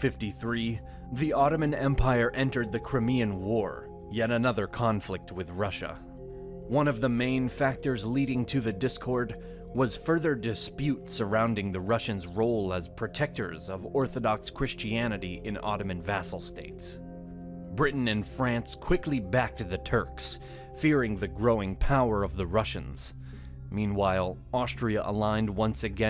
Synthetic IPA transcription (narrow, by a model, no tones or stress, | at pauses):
fɪftiθɹi | ðiʔɑɾɨmɨ̃nɛ̃mpʰaɪə˞ʔɛ̃ntə˞d̪̚ðɨkʰɹ̥ɨmiɨ̃nwɔɹ | jɛɾɨnʌðə˞kʰɑ̃ɱflɪk̚t̚wɨðɹʌʃə̰ | wʌ̃nʌvðəmẽɪ̃nfæk̚tə˞zliɾɪ̃ŋtʰɨðɨdɪskʰɔɹd̚ | wʌz̥fɜ˞ðə˞dɨspjʉtsə˞ãʊ̃ndɪ̃ŋðɨɹʌʃɨ̃nzɹoʊlˠəz̥pʰɹ̥ɨtʰɛk̚tə̰˞zʌvɔɹθɨdɑkskʰɹ̥ɪst͡ʃiænɨɾiʔɨ̃nɑ̰ɾɨmɨ̃nvæsl̩ˠsteɪts | bɹɪʔn̩ɨ̃nfɹæ̃nskʰw̥ɪkʰlibæk̚t̚ðɨtʰɜ˞ks | fɪɹɪ̃ŋðɨɡɹoʊɪ̃ŋpʰaʊə˞ʌvðɨɹʌʃɨ̰̃nz̥ | mĩnwaɪlˠ | ɑstɹ̥iɨʔə̰lãɪ̃nd̚wʌ̃nsɨɡɛ̃